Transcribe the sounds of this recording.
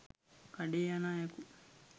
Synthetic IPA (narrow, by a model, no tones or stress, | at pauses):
kɐɖeːjanaːjɐku